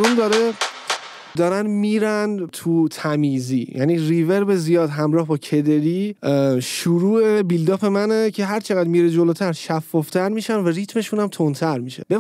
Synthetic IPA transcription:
ɾund̪ɒːɾe | d̪ɒːɾænmiːɾænt̪ʰut̪ʰæmiːziːjʔæ̰niːrive̞ɾbezijɒːd̪ɦæmɾɒːhbɒːcʰe̞d̪e̞ɾi | ʃuɾuːebild̪ɒːfe̞mænecʰe̞ɦæɾt͡ʃʰe̞ɣæd̪miːɾed͡ʒoloːt̪ʰæɾʃæfːɒːft̪ʰæɾmiːʃænværit̪ʰme̞ʃunæmt̪ʰont̪ʰæɾmiːʃḛb̥e

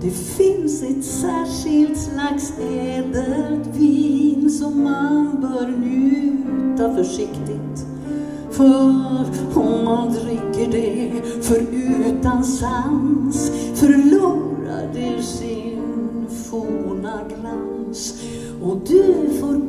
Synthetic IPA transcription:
d̪̥ɛfɪnsɛt̪sæːʂɪlt̪snaks | eːd̪ət̪vinsɔmːanbœːɾlʉt̪afœʂɪkt̪ɪt̪ | fœɾhʊand̪ɾɪkːəɖɛ | fœɾʉːt̪ansansfœɾluːɾa̰ɖɛʂɪnnfuːnaɡlans | ɔd̪ɵfoːɾ

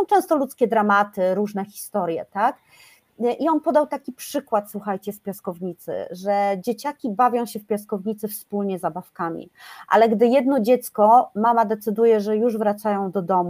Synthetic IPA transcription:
sɔ̃w̃t͡ʂɛ̃w̃st̪ɔlut̪skʲɛd̪ɾamat̪ɘɾuʐnɛxʲi̥st̪ɔɾʲjɛ̰t̪ak | ʔiɔnpɔd̪awt̪akʲipʂɘkwat̪swuxajt͡ɕɛspʲjaskɔvɲit̪sɘ̰ʐɛd͡ʑet͡ɕakʲibavʲjɔ̃w̃ɕɛfpʲjaskɔvɲit̪sɘfspulɲɛzabafkamʲḭʔa̰lɛɡd̪ɘjɛd̪nɔd͡ʑɛt̪skɔmamad̪ɛt̪sɘd̪ujɛʐɛjuʐvɾat̪sajɔ̃w̃d̪ɔd̪ɔmu

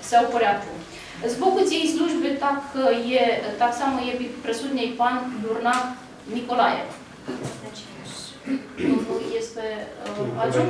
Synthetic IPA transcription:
sawpəɾʲak̪u | zbokut̪sʲijejsluʒbet̪akʰəjet̪aksaməjebipɾesud̪nʲejpanlurna | nikolajḛv | jest̪eat͡ʃ

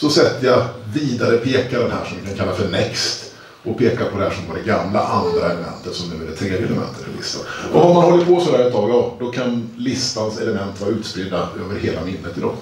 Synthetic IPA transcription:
sɔsɛt̪ːəjaviːd̪aɾəpʰeːkad̪ɛnhæ̰ːʂɔmjɪkʰankʰalːafœɳɛkst̪ | ʔɔpʰeːkapʰɔd̪ɛhæːʂɔmvaɖɛɡamla̰ʔand̪ɾaɛləmɛ̰nt̪ət̪sɔmnʉ̟ːæɖɛt̪ʰɾeːd̪jɛlɛmɛ̰nt̪ʰə̥ɾfɛlɪ̰st̪a̰nʔɔɔmanhɔlːəpʰɔsɔd̪æːɾɛt̪ʰːɑːɡjɑːd̪ɔkʰanlɪst̪ansɛləmɛnt̪vɑːɾʉ̟ːt̪spɾɪd̪ːaøːvəɾheːlamɪnːət̪ɪd̪ɔ̰m

